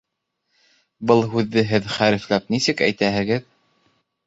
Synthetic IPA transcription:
bɤlˠɦʉðːɘɦɘðχæɾɘ̆flæp̚nisɘkæ̰jt̪æɦɘ̆ɡɘð

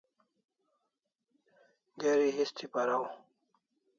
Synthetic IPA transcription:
d̪eɾiɦist̪ʰipaɾaw

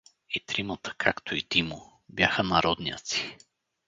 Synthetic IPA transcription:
it̪ɾimət̪ə̥kʰakt̪ʰoid̪imʊ | bjaxənɐɾɔd̪niə̰t̪si̥

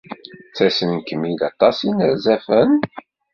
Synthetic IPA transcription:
t͡sːæsənkəmːid̪ɑt̪ˤːɑsinəɾzæfən

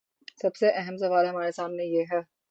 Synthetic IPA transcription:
sɐbseʔɛɦəms̬ɐʋaːlɦɐmaːɾesaːmnejeːɦɛː

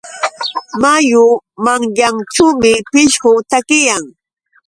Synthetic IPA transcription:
majʊmaŋjaŋʈ͡ʂuːmɪpɪʃɢʊt̪akɪjaŋ

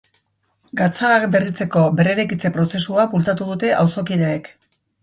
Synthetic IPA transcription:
ɡat͡saːkbe̞rit͡se̞ko̞be̞reɾekit͡se̞pɾo̞se̞suapult͡sat̪uðut̪e̞ʔawso̞kið̞eːk

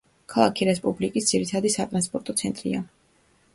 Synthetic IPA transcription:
kʰalˠakʰiɾɛspʼublikʼisd̪z̥iɾit̪ʰad̪isat̪ʼɾanspʼɔɾt̪ʼɔt̪sʰɛnt̪ʼɾḭa

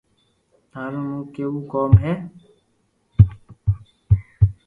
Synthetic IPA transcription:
t̪aːɾũːnũːkeːuːkɔːmɦɛː

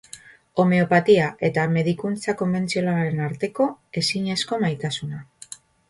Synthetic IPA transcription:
o̞me̞o̞pat̪iaʔe̞t̪ame̞ðikunt͡sako̞mbe̞nt͡sio̞nalaɾe̞naɾt̪e̞ko̞e̞siɲe̞sko̞majt̪asuna

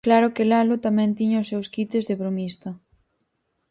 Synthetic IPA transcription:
klaɾʊkɪlalʊt̪amɛ̃nt̪iɲɐʊsːewskit̪ɪzðɪβɾomist̪ɐ

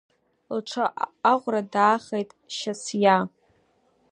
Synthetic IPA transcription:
lʈ͡ʂʷʰaaʁʷradaːχejtʼʃasja

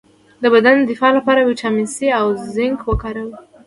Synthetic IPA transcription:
d̪əbad̪and̪ɪfɑlapɑɾaweʈ͡ʂɑminsiawzɪŋɡwəkɑɾawi

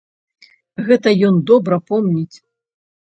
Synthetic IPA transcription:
ɣɛt̪ɐjɔnd̪ɔbɾɐpɔmnʲit͡sʲ

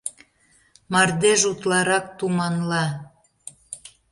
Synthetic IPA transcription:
mɑrd̪eʒut̪lɑɾɑk̚t̪umɑnlɑ

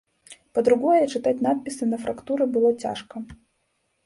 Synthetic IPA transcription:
pɐd̪ɾuɡɔjɛt͡ʂɨt̪atʲnat̪̚pʲisɨnɐfɾɐkt̪uɾɨbɨlˠɔt͡sʲa̰ʂkɐ

